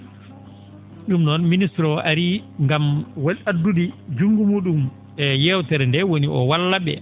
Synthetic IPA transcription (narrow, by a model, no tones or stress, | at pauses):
ɗumnɔnministɾɔaɾiŋɡamwaladːudid͡ʒuŋɡumuːɗum | ɛjɛwtɛɾɛndɛwoniʔɔ̰walːaɓɛ̰